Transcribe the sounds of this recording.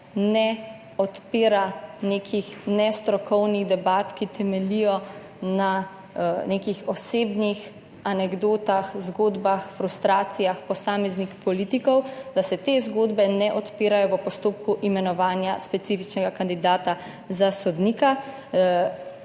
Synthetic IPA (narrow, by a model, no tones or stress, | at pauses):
nɛ | ɔt̪peːɾaneːkʰixnɛst̪ɾɔkʰɔwniɣd̪ɛbaːt̪kit̪ɛmɛlijɔ | na | nekixɔseːbnix | anɛɡd̪oːt̪axzɡoːd̪baxfɾust̪ɾaːt̪sijaxpɔsaːmɛznixpɔliːt̪ikɔwd̪asɛt̪eːzɡoːd̪bɛnɛʔɔt̪peːɾajɔʋəpɔst̪oːp̚kuʔimɛnɔʋaːnjaspɛt̪sifit͡ʃnɛɡakand̪id̪aːt̪a | zasɔd̪niːka